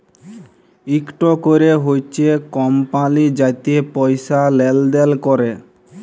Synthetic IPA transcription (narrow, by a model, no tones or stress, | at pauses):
ikʈokoɾeɦojt͡ɕʰekɔmpãlid͡ʑat̪iepɔjsalɛld̪elkɔɾe